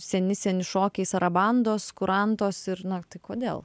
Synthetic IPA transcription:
sʲɛnʲɪsʲɛnʲɪʃoːkʲɛɪsɐɾɐbɐnd̪oːskʊɾʔɐnt̪oːsɪɾnɐt̪ɐɪkoːd̪ʲḛːlˠ

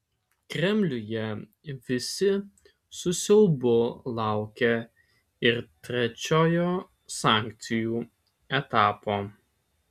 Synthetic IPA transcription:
kɾʲɛmʲlʲʊjɛ | ʋʲɪsʲɪ | sʊsʲɪlˠbʊlˠɑˑʊkʲɛ | ɪɾt̪ʲɾʲɛt͡ʃʲoːjoː | saˑŋkt̪sʲɪjuː | ɛt̪aːpoː

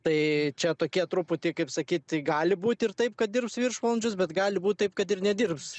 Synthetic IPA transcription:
t̪ɐɪt͡ʃʲɛt̪oːkʲiɛt̪ɾʊpʊt̪ʲɪkɐɪpsɐkʲiːt̪ʲɡɑːlʲɪbuːt̪ʲɪrt̪ɐɪp̚kɐt̪̚d̪ʲɪrpsʋʲirʃʋɐlˠɐnʲd͡ʒʲʊsbʲɛt̪ɡɑːlʲɪbuːt̪̚ʲt̪ɐɪpkɐt̪ɪrnʲɛd̪ʲɪrps

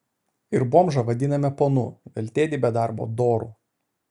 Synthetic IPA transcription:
ɪɾboːmʒɐʋɐd̪ʲɪnɐmʲɛponʊʋʲɛlʲt̪ʲeːd̪ʲɪbʲɛd̪ɑˑɾbo̰ːd̪oːɾṵː

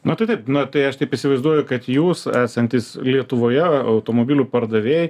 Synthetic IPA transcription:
nʊt̪ɐɪt̪ɐɪp̚nʊt̪ɐɪɐʃt̪ʲɐɪpisʲɪʋɐɪzd̪uɔjʊkɐt̪juːsæːsɐnʲt̪ʲislʲiɛt̪ʊʋoːjɛɐʊt̪oːmoːbʲiːlʲuːpɐɾd̪ɐʋʲeːj

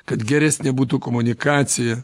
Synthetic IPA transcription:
kɐt̪ɡʲɛɾʲɛsʲnʲɛbuːt̪uːkɔmʊnʲɪkɑːt̪sʲɪjɛ

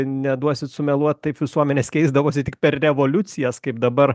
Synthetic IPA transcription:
nʲɛd̪uɔsʲɪt̪sʊmʲɛlˠuɔt̪t̪ɐɪpʋʲɪsuɔmʲɛnʲeːskʲɛɪzd̪ɐʋoːsʲɪt̪ʲɪk̚pʲɛrrʲɛʋolʲʊt̪t͡s̪ʲɪjɛskɐɪp̚d̪ɐbɐr

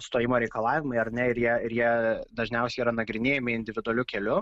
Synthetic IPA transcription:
st̪oːjɪmoːɾʲɛɪkɐlˠɑːʋʲɪmɐɪɐɾnʲɛɪɾjiɛɪɾjiɛd̪ɐʒʲnʲɛʊsʲɛɪiːɾɐnɐɡɾʲɪnʲeːjɛmʲɪɪnʲd̪ʲɪʋʲɪd̪ʊɐlʲʊkʲɛlʲʊ

